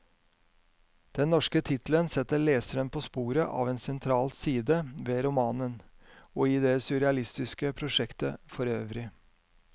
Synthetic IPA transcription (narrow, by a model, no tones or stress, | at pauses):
d̪̥ɛnːɔʂkət̪ʰɪt̪lənsɛt̪ːəɭeːsəɾənpʰoːspuːɾəʔɑ̰ːʋeːnsɛnt̪ʰɾɑːlsiːd̪əʋeːɾʊmɑːnən | oːɪd̪ɛsʉɾɛɑlɪst̪ɪskəpʰɾʊʂɛkt̪əfɔɾøːʋɾɪ